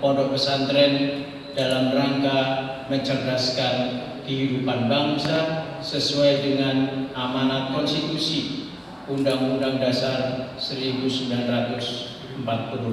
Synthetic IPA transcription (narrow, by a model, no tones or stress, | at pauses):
pɔdɔkəsant̪ɾɛn | d̥alamraŋkaməɲt͡ʃərɡaskan | kəɦidupanbaŋsa | səsuajdəŋanʔamanat̪̚kɔnsit̪usi | undaŋundaŋdasarsəɾibusəmbilanrat̪ʊs | əmpat̪̚pulu